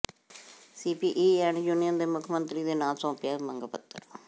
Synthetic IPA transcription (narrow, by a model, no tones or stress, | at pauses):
siːpiːʔiːɛːɳjuːnɪjə̃nd̪eːmʊkʰəmə̃nt̪ɾiːd̪eːnãːsõːpɪjaːməŋɡəpət̪ːəɾ